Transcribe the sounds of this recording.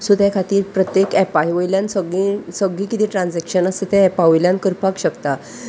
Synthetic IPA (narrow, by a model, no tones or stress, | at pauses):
sud̪ʱjakʰat̪iːɾpɾət̪jekɛpajʋəjljãnsəɡĩsəɡɭĩːkit̪iːʈɾãnd͡zɛkɕənəsʰit̪ʰẽːpaʋəjljãnkəɾpakɕəkt̪a